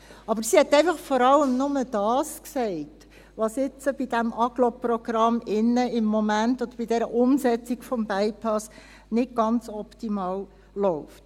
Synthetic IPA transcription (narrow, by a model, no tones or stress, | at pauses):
ɑbəɾsihɛtːɛɪfɑχfɔɾɑləmnʊməd̥ɑːsksɛɪt | ʋɑsɪt͡səb̥id̥ɛmʔɑɡ̥lɔprɔɡ̥ɾɑmɪnːəɪmːɔmæntɔd̥̪əɾbidɛɾəʔʊmsɛt͡siɡfɔmbɛɪpʰɑs | nɪd̚ɡ̥ɑnt͡sɔpt̪imɑːl | lɔʊft